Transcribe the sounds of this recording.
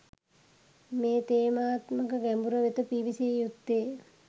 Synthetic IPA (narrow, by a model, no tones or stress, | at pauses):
meːt̪eːmaːt̪məkəɡæmbuɾəʋet̪əpiːʋisejut̪ːeː